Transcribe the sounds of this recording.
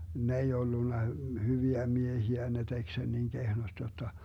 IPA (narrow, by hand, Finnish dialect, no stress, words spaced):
ne ei olːunːɑ hyʋiæ miehiæ ne tek sen niŋ kehnost jotːɑ